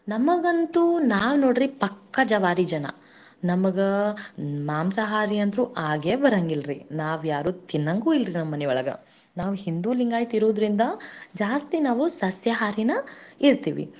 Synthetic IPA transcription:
nɐmɐɡɐnt̪unaːʋnoːɖɾipɐkːɐd͡ʒɐʋaːɾid͡ʒɐnɐ̰ | nɐmɐɡɐ | maːmsɐɦaːɾiɐnd̪ɾuʔaːɡebɐɾɐŋɡilɾinaːʋjaːɾuːt̪inːɐŋɡuːilɾinɐmːɐnɛɔɭɐɡɐ̰ | naːʋuhind̪uːliŋɡaːjt̪iɾoːd̪ɾind̪ɐd͡ʒaːst̪inaːʋusɐsjɐɦaːɾinɐiɾt̪iːʋḭ

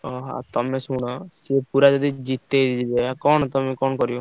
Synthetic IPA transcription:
ɔɦaa̰t̪ɔmesuɽ̃ɔsepuɾad͡ʒɔd̪id͡ʒit̪ed̪id͡ʒibeakɔɳ̃ɔt̪ɔmekɔɳɔkɔɾio

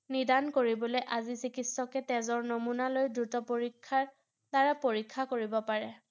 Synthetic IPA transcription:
nidankoɹibɔlojʔazisikitsɔkɛtɛzɔɹnomunalojdɹutɔpoɹikʰːaɹ | taɹapoɹikʰːakoɹibɔpaɹɛ

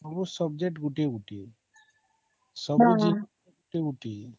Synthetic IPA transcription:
əbusəb̚d͡ʒek̚ʈɡuʈeuʈi | səbud͡ʒi | ɡuʈiuʈi

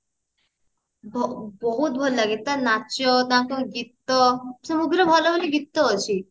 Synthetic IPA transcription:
bbɔɦut̪̚bʱɔllaɡet̪ːanat͡ʃɔt̪ãkɔɡit̪ːɔsəmuɡɾəbʱɔlɔbʱɔliɡit̪ːɔɔt͡ɕʰi

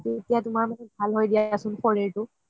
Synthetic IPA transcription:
etijatʊmaɹmanɛbʱalɦojdijasʊnpɔɹeɹtʊ

